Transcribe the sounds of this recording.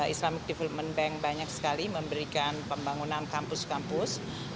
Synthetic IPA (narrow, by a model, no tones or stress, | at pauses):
islamɪk̚dɛfɛlət̚mənbɛŋbaɲaksə̥kaliməmbəɾikanpəmbaŋunankampʊskampʊs